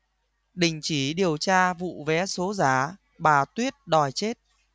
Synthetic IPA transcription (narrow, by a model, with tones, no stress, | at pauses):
ɗï˨˩ŋ̟t͡ɕi˧˩ɗi˨˩əwt͡ɕaː˧vṵ˧˨vɛ˨˦so˨˦zaː˧˩ | ɓaː˨˩t̪wi˦˥ət̚ɗɔ˨˩jt͡ɕe˦˥t̚